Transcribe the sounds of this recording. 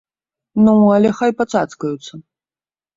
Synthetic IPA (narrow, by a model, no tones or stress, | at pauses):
nualʲɛxajpat̪t͡sat̪skɐjut̪sɐ